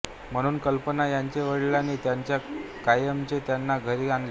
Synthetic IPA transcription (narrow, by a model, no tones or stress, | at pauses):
m̤əɽ̃uːnkəlpənajaɲt͡ɕeʋəɽlaniːt̪jaɲt͡ɕjakajəmt͡ɕet̪janːaɡʱəɾianle